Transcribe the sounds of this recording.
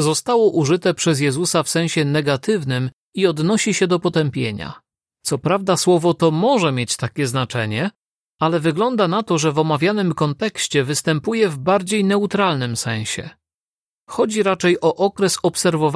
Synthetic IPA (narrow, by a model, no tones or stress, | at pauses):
zɔst̪awɔʔuʐɘt̪ɛpʂɛzjɛzusafsɛ̃ɕɛnɛɡat̪ɘvnɘm | iɔd̪nɔɕiɕɛd̪ɔpɔt̪ɛmpʲjḛɲa̰ | t̪sɔpɾavd̪aswɔvɔt̪ɔmɔʐɛmʲjet͡ɕt̪akʲɛznat͡ʂɛɲɛ | alɛvɘɡlɔnd̪anat̪ɔʐɛvɔmavʲjanɘmkɔnt̪ɛkɕt͡ɕɛvɘst̪ɛmpujɛvbaɾd͡ʑejnɛut̪ɾalnɘmsɛ̃w̃ɕɛ̰ | xɔd͡ʑiɾat͡ʂɛjɔʔɔkɾɛsɔpsɛɾvɔv